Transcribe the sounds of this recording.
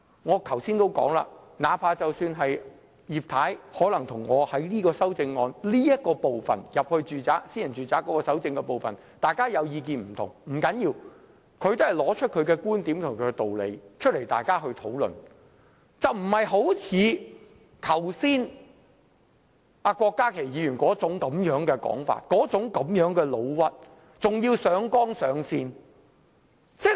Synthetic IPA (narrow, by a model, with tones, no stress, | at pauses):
ŋɔː˨˧kʰɐ˨˩wsiː˥nt̪o˥wkɔ̰ː˨˥ŋla̰ː˧naː˨˥pʰaː˧t͡sɐ˨wsyː˧nɦɐ˨j | jiː˨˩p̚t̪ʰaː˨˥jhɔː˨˥lɐ˨˩ŋt̪ʰʊ˨˩ŋːɔː˨˧hɐ˨˥jliː˥kɔː˧sɐ˥wt͡sɪ˧ŋːɔː˧nliː˥jɐ˥t̚kːɔː˧po˨wfɐ̰˨njɐ˨p̚hɵ˧ɥt͡ʃyː˨t͡saː˨˥ksiː˥njɐ˨˩nt͡ʃyː˨t͡saː˨˥kːɔː˨˥kɔː˧sɐ˨˥wt͡sɪ˧ŋkɛ˧po˨wfɐ̰˨n | t̪aː˨jkaː˥jɐ˨˧wjiː˧k̬iː˨nm̩˨˩t̪ʰʊ˨˩ŋm̩˨˩kɐ˨˥njiː˧w | kʰɵ˨˧ɥt̪o˥hɐ˨jlɔː˨˥t͡ʃʰɵ˥kʰɵ˨˧ɥkɛː˧kuː˥nt̪iː˨˥mt̪ʰʊ˨ŋkʰɵ˨˧ɛ˧t̪o˨wlḛ˨˧jt͡ʃʰɵ˥t̚le˨˩jt̪a̰ː˨jkaː˥hɵ˧ɥt̪ʰo˨˥wlɵ̰˨˩n | t͡sɐ˨wm̩˨˩hɐ˨jɦo˨˥wt͡sʰiː˨˧ | t̪ʰɐ˨˩wsiː˥n | a˧kwɔː˧kːaː˥kʰe˨˩jiː˨˧jyː˨˩nkɔː˨˥t͡sʊ˨˥ŋkɐ˨˧˥mjœː˨˥ŋkɛː˧kɔ̰ː˨˥ŋfa̰ː˧˨t̚kɔː˨˥t͡sʊ˨˥ŋkɐ˨˥mjœː˨˥ŋkɛː˧lo˨˧wwɐ˥t̚ | t͡sʊ˨ŋjiː˧wsœː˨˧˥ŋkɔː˥ŋsœː˨˧ŋsiː˧n | t͡sɛː˥